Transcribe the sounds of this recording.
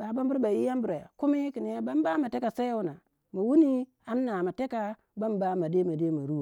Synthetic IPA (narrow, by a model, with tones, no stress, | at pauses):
ba˨ba˦mbu˦ɾba˨ji˦ja˦mbu˨ɾa˨a̰˨ku˦mi˦ki˨ni˨˦a˦ba˦mba˦ma˨te˦ka˨sa˦wu˦na˨ | ma˨wu˦ni˦ | a˦nː˦a˨ma˨te˦ka˦ | ba˦mba˦ma˨de˦ma˨de˦ma˨ɾu˦˨